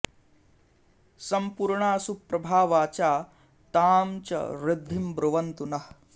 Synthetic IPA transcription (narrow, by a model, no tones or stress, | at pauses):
sɐmpuːɾɳaːsupɾɐbʱaːʋaːt͡ʃaː | t̪aːmt͡ʃɐ̰ɾɪd̪ʱːimbɾuʋɐnt̪unɐh